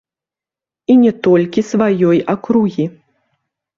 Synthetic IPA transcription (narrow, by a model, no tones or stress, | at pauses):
inʲɛt̪ɔlʲkʲisvajɔjakɾuɣʲi